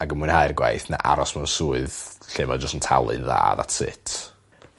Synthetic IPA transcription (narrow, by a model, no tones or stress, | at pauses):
aɡəmuɨnhajrɡwa̰jθna̰ʔa̰ɾɔsmaənsuːɨðɬevad͡ʒəstəntʰalˠɨ̰nða̰ːða̰tʰsɪ̰tʰ